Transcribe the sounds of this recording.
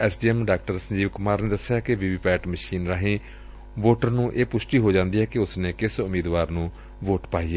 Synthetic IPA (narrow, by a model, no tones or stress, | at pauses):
ɛːsɖiːɛmɖaːk̚ʈəɾsəɲd͡ʒiːʋkʊmaːɾneːd̪əsːɪjaːkɪʋiʋiːpɛːʈməʃiːnɾaːɦẽː | ʋoːʈəɾnũːʔeːpʊʃʈiːɦoːd͡ʒãːnd̪iːɦɛːkɪʊsnẽːkɪsʊmiːd̪ʋaːɾnũː | ʋoːʈpaːiːeː